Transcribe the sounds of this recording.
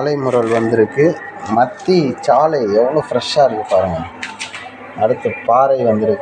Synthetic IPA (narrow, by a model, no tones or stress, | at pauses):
lɐɪmʊɾɐlʋɐnd̪ɪɾɯkːɯmɐt̪ːit͡ʃaːlɐɪɛʋɐɳõːfɪɾɛʂːaːɪɾɯŋːɯpːaːɾɯŋɡɐ | ɐɽɯt̪ːɐpaːɾɐɪʋɐnd̪ɪɾɯkː